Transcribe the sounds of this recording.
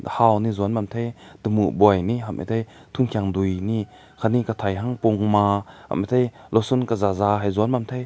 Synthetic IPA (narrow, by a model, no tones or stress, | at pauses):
hawnizuanmamt̪ʰejd̪əmubɔjniʔɦamʔḭt̪ʰejt̪ʰunkʰiaŋd̪ujni | kʰanikat̪ʰajɦaŋpuŋmaha̰mʔit̪ʰejlɔsunkazazaɦajzuanmamt̪ʰej